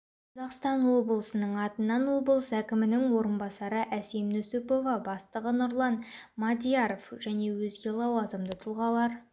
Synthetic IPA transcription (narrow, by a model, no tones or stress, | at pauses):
qʰɑzɑqst̪ɑnwo̞bəlˠəsənəɴɑt̪ənːɑnwo̞bəlˠəsækʲɪmɪnɪŋwo̞ɾənbɑsɑɾəʔæsemnɵsɪpo̞vɑbɑst̪əʁənʊɾlˠɑnmɑd̪ʲijaɾofʒ̥æne̞wɵzɡʲe̞lˠɑwɑzəmd̪ət̪ʰʊlˠʁɑlˠɑɾ